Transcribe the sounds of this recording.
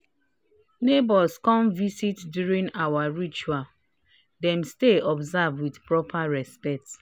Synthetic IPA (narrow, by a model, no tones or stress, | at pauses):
nebɔskɔ̃mvisitdjuɾĩŋawaɹit͡ʃual | dɛ̃msteɔbzavdwidpɹɔpʰaɹɛspɛk̚t